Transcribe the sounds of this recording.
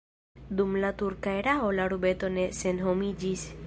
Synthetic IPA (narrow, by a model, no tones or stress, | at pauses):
d̪umlat̪uɾkaeɾaolaɾubet̪onesenɦomid͡ʒis